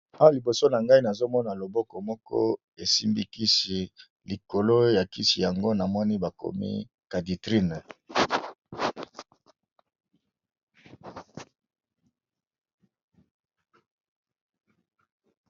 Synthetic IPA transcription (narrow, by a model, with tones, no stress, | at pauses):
a˦wa˦˨li˨bo˨so˦na˨ŋɡa˦i˦na˨zo˦mɔ˦na˨lo˨bɔ˦kɔ˨mɔ˦kɔ̰˦ | e˨si˦mbi˦ki˦si˨ | li˨ko˨lo˦ja˨ki˦si˨ja˨ŋɡo˦na˨mɔ˦ni˦ba˨ko̰˨mḭ˦ | ka˨di˨tʁi˦n˨